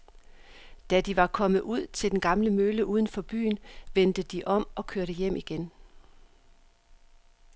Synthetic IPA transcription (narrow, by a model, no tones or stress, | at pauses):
d̥æd̥iʋɑ̈kʰɒ̽mð̩ˠuð̞̰ˠt͡sʰe̝ld̥enɡ̥ɑ̈mləmøləʔuːðˠənfɒ̽b̥y̰ːnʋen̰d̥əd̥iʔɒ̽m̰ɒ̽kʰøɐɾ̥əjem̰ʔiɡ̥en